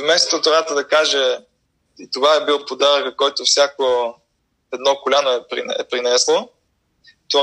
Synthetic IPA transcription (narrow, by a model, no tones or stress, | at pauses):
vmɛst̪o̥t̪ʊt̪ɾat̪əd̪ɐkaʒɛ | it̪ovaɛbilˠpod̪aɾəkəkɔjt̪ofsʲjako | ɛd̪nɔkolʲanoɛpɾḭɛ̰pɾinɛslˠo | t̪o